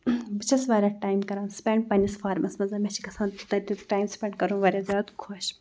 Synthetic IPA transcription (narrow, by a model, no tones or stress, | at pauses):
bɨt͡ʃʰɐsʋaːɾʲɐʈaːjmkɐɾaːnspʲeɳɖ̚pɐnʲisfaːɾmɐsmɐnzaːmẽt͡ʃʰikɐsaːnt̪ɐɾiʈaːjmspʲeɳɖkɐɾũːʋɐɾʲazʲjaːd̪kʰoʃ